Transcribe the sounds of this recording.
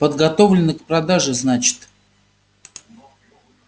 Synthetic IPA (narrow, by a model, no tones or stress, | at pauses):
pəd̪ɡɐt̪o̞vlʲɪnːəkpɾɐd̪aʐɨznat͡ɕɪ̥t̪